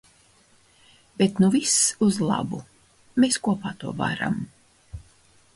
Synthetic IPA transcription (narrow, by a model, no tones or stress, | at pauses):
bet̪nuvisuzlˠɑ̰bu | meːskuɔpaːt̪uɔva̰ɾa̰m